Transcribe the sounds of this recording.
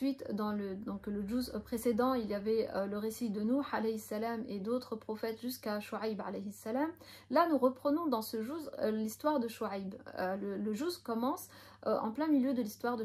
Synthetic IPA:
ɥit̪d̪ɑ̃ləd̪ɔ̃kləʒuzpχesed̪ɑ̃iljavɛøləʁesid̪ənuħalɛjisalamed̪ot̪χəpχɔfɛt̪ʒyskaʃuʕajba̰lɛjisːalam | lanuʁəpχənɔ̃d̪ɑ̃səʒuzlist̪waʁd̪əʃuajbølələʒuzkɔmɑ̃s | ø̰ʔɑ̃plɛ̃miljød̪əlist̪waʁd̪ə

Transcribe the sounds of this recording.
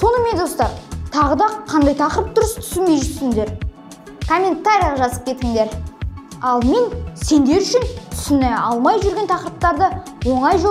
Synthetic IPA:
so̞nəme̞nd̪o̞st̪ɑɾt̪ʰɑʁəd̪ɑqʰɑnd̪ɑjt̪ʰɑqəɾəp̚d̪ʊɾəst̪ʰʏ̥sɪlme̞jʒɪt̪ʰsɪŋd̪e̞ɾ | kʰo̞mʲe̞nt̪aɾijɑʁɑʒɑsəpkʲʰe̞t̪ɪŋd̪e̞ɾ | ɑlˠme̞nse̞nd̪e̞ɾʏʃɪnt̪ʰʏ̥sɪnejɑlˠmɑjʒʏɾɡʲe̞nt̪ʰɑqəɾəp̚t̪ɑɾd̪əwo̞ɴɑjʒo

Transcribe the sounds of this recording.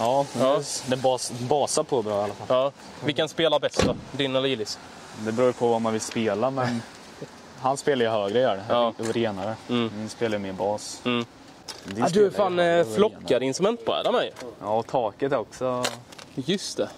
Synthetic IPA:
jɑːpʰɾːsd̪ɛbɑːsbɑːsapʰɔbalːafalɑː | vɪkːanspeːlabɛst̪ɔd̪ɪnɔliːlɪs | d̪ɛbɾuːjpʰɔvamanvɪlspeːlamɛn | ɦanspeːlaɾjəɦøːɡɾəæːɖɛɑːɾeːnaɾəmɪnspeːlajəmeːɾbɑːs̩ː | d̪ɪad̪ɵfaːnflɔkːad̪əɪnst̪ɾɵmɛnt̪̚pʰɔ̰æ̰ːɾɛmajjɑːɔt̪ʰɑːkət̪ɛɾɔksɔ | jɵst̪ɛ

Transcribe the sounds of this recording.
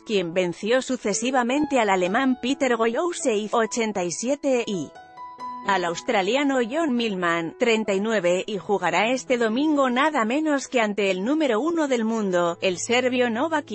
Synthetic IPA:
kje̞mbe̞n̟θjo̞suθe̞siβamẽ̞nt̪e̞alale̞mampit̪e̞ɾɣo̞jowse̞iot͡ʃe̞nt̪ajsje̞t̪e̞i | alawst̪ɾaljano̞ʝo̞nmilmant̪ɾe̞nt̪ainwe̞βe̞ʔixuɣaɾae̞st̪e̞ðo̞mĩŋɡo̞naðamẽ̞no̞skeant̪e̞ːlnume̞ɾo̞uno̞ðe̞lmũnd̪o̞e̞lse̞ɾβjo̞no̞βak

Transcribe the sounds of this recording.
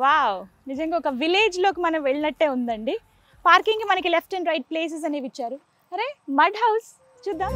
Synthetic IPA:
ʋaːw | nid͡ʒɐŋɡaːɔkɐʋileːd͡ʒlo̞ːkimɐnɐmʋeɭinɐʈːeːund̪ɐɳɖi | paːɾkiŋkimɐnɐkilepʰʈɐnɾɐjʈ̚ple̞ːs̬es̬ɐneːʋit͡ʃːaːɾu | ɐɾeːmɐɖɦɐws | t͡ʃuːd̪ːaːm

